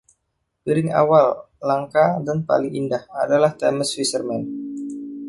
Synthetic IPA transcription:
piɾɪŋa̰wal | laŋkadanpa̰lɪŋindahadalaht̪ɛməsfisərmɛn

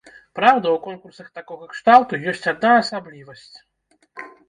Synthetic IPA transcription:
pɾawd̪ɐwkɔnkursɐxt̪akɔɣɐɛkʂt̪alˠt̪ujɔsʲt͡sʲad̪naɐsablʲivɐsʲt͡sʲ

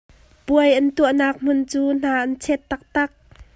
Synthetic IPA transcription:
puəjʔɐnt̪uəʔnaːk̚m̥ʊnt͡suːn̥aːʔant͡sʰɛt̪ːɐk̚t̪ɐk̚

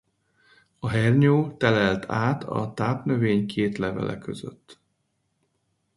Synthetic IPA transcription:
ɒɦɛrɲoːt̪ɛlɛlt̪ʰaːt̪ʰɒ̰t̪aːpnøveːɲkʰeːt̪lɛvɛ̰lɛ̰køzø̰t̪ː

